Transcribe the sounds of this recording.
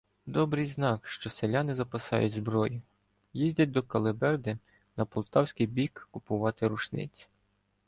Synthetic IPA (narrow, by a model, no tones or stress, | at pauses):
d̪ɔbɾɪjznɑkʃt͡ʃɔselʲɑnɪzɐpɐsɑ̰jʊ̰tʲzbɾɔjʊ | jizʲdʲɐt̚ʲd̪ɔkɐlˠɪbɛrd̪ɪ | nɐpɔlˠt̪ɑwsʲkijbʲikːʊpʊʋɑt̪ɪɾʊʃnɪ̰t͡sʲi̥